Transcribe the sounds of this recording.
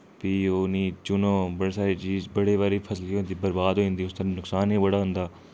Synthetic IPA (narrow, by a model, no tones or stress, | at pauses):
piːoːnĩːt͡ʃʊnõːbəɽeːsaːɾeːt͡ʃiːzbəɽeːβaːɾiːpʰəsliːɦoːnd̪iːbəɾbaːd̪ɦoːĩːnd̪iːʊst̪əɾanʊksaːnɦĩːbəɽaːɦʊ̃nd̪aː